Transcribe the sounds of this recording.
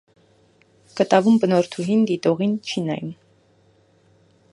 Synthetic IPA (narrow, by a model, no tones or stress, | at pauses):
kət̪ɑvumbənɔɾt̪ʰuɦind̪it̪ɔʁint͡ʃʰinɑ̰jum